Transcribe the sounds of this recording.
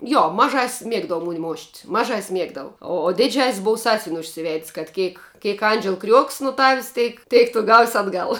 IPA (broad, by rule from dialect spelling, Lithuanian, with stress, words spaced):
ˈjoː mɐˈʒɐsʲsʲ ˈmʲiɛɡdɐʋɐ ˈmoːnʲɪ ˈmoːʃt mɐˈʒɐsʲsʲ ˈmʲiɛɡdɐʋʊ oː oː ˈdʲɪˌd͡ʒʲɛsʲsʲ ˈboːw ˈsɑːsʲʋʲɪnʲ ʊʃʲsʲɪˈʋʲɛtʲsʲ kɐt ˈkʲeːk ˈkʲeːk ˈɐnʲd͡ʒʲɛlˠ krʲuɔkʲs nʊ tɐwsʲ ˈtʲeːk ˈtʲeːk tʊ ɡɐʊsʲ ɐdˈɡɐlˠ